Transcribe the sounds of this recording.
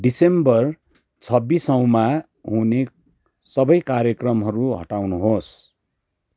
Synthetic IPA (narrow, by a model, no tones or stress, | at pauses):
ɖisembʌr | t͡sʰʌbːisʌw̃ma | ɦune | sʌbʌjkaɾjʌkrʌmɦʌɾuɦʌ̰ʈawnuɦos